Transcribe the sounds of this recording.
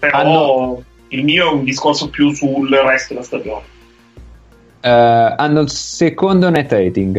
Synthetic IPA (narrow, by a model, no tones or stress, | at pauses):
peɾanɔːo | ilmiːoɛund̪iskorsopjusulrɛst̪od̪elast̪ad͡ʒoːne | anːolsekond̪onɛt̪ːɛt̪iŋɡ